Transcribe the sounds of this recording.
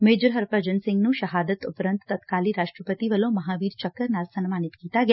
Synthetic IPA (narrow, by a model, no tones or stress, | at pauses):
meːd͡ʒɾɦɐɾpɾəd͡ʒənsɪ̃ŋɡnuʃɐɦaːd̪ət̪ʊpɾə̃nt̪ːɐt̪kaːliɾaːʃʈɾəpət̪iʋɐlõmɐɦaːʋiːɾt͡ʃɐkːəɾnaːlsɐnmaːnit̪kiːt̪aɡɐja